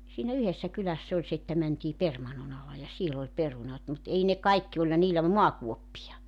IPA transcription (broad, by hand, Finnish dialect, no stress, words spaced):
siːnæ yhesːæ kylæsː olʲ se etːæ mæntʲiː permɑnːon ɑlɑ jɑ siel olʲ perunɑt mut ei ne kɑikːi olʲhɑ niːlːæ muɑkuopːijɑ